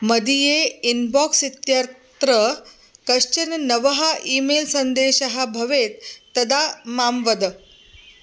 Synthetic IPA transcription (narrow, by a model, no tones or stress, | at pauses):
məd̪ijeinbɔksit̪jaɾt̪ɾə | kəʂt͡ɕənnəʋəɦaʔiːmelsənd̪eɕəɦabʱɐʋet̪ːəd̪amamʋəd̪